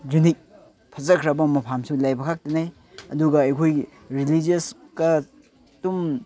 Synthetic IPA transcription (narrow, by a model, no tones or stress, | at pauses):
d͡ʒunik̚ | pʰɐzɐkʰɾɐbɐmɐpʰamsulajbɐkʰak̚tɐnaj | ɐ̰duɡɐɐjkʰoj | ɾilid͡ʒiɐs | kɐ | tum